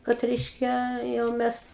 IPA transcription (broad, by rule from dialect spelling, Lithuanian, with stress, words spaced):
kɐt ˈrʲɛɪʃʲkʲɛ jɛʊ ˈmʲɛs